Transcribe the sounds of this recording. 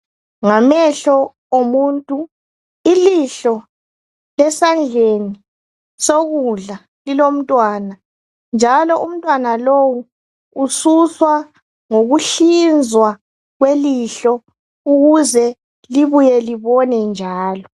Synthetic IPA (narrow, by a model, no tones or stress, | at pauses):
ŋamɛɬɔ | omuːntʼu | iliɬɔ | lɛsand͡ɮʱeni | soɣuɮa | lilom̩tʼwaːna | nd͡ʒʱalɔʔum̩tʼwanalowu | ususwa | ŋoɣuɬind͡zʱwa | ɣweliɬɔ | uɣuzɛ | liβujɛliβɔnɛnd͡ʒʱaːlɔ